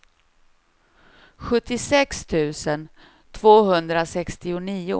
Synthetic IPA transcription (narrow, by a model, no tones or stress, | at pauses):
ɧɵt̪ːɪsɛkst̪ʰʉ̟ːsən | t̪ʰvoːhɵnd̪ɾasɛkst̪ɪʊniːʊ̰